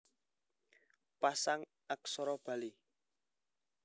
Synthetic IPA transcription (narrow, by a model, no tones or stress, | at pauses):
pasaŋ | ak̚sɔɾɔb̥a̤li